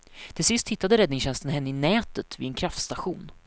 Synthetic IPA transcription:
t̪ʰɪlsɪst̪hɪt̪ːad̪əɾɛd̪nɪŋsɕɛnst̪ənɦɛnːəɪnɛːt̪ət̪vɪ̰ɛnkʰɾaft̪st̪aɧuːn

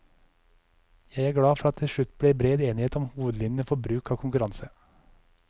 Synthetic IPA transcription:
jæɪæːɾɡɽɑːfɔɾɑt̪t̪ʰːɪlʃɭʉt̪ːbɽeːbɾeːd̪eːnɪheːt̪ɔmhuːʋəd̪lɪnnəfɔɾbɾʉːkʰɑːkʰʊŋkʉɾɑnsə

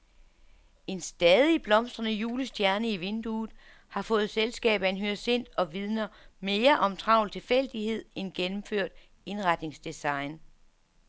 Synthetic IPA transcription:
e̝nsd̥ɛːðˠib̥lɒ̽msd̥ʁɐnəjuːləsd̥jæɐnəiʋe̝nd̥uːð̩ˠ | hɑ̈fɔ̽ːð̞̩ˠselsɡ̥ɛ̰ːb̥æenɦyɐse̝n̰d̥ɒ̽ʋið̞ˠnɐme̝ːɐʔɒ̽mt͡sʰʁɑ̈ʊ̰lt͡sʰe̝lfel̰d̥ihe̝ð̞̰ˠenɡ̥enm̩føɐ̰d̥ | e̝nʁɑ̈d̥ne̝ŋsd̥esɑ̈ɪn

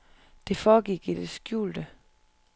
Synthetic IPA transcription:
d̥e̝fɒːɡ̥iɡ̥id̥esɡ̥jṵːld̥ə

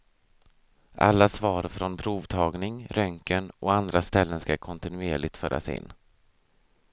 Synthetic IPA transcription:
ʔa̰lːasvɑːɾfɾɔnpʰɾuːvt̪ʰɑːɡnɪŋɾʔœŋkənʔɔand̪ɾast̪ɛlːənskakʰɔnt̪ɪnɵeːɭɪɡ̚t̪fœːɾʔa̰sɪ̰nː

